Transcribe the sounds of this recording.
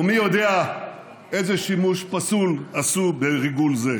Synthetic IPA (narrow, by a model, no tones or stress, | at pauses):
mijo̞d̪ea | ezeʃimuʃpasulasubeʁiɡulze